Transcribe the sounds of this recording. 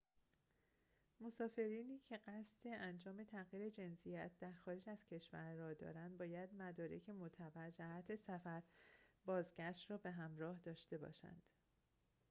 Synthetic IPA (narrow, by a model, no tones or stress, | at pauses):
mo̞sɒːfe̞ɾiːniːcʰe̞ɢæst̪e̞ʔænd͡ʒɒːme̞t̪ʰæɣjiːɾe̞d͡ʒe̞nsijæt̪̚ʰd̪̥æɾxɒːɾed͡ʒæz̥cʰe̞ʃvæ̰ɾːɒːd̪ɒ̰ːɾænd̪̚bɒːjæd̪mæd̪ɒːɾe̞̰cʰe̞mot̪ʰæbæɾd͡ʒæhæt̪ʰe̞sæfæɾbɒːzɟæʃt̪rɒːbe̞ɦæmɾɒːhd̪ɒːʃt̪e̞bɒ̰ːʃæ̰nd̪̥